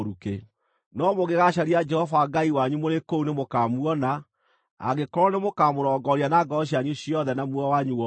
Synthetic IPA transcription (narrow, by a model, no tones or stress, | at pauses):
ɾuke | nɔmoɣeɣaʃaɾiad͡ʒɛhɔvaɡaiwaɲumoɾekounemokaːmwɔna̰ː | ɣekɔɾɔnemokaːmoɾɔːɡɔɾianaɡɔɕ̬iaɲuɕiɔðɛnamwɔwaɲuɔ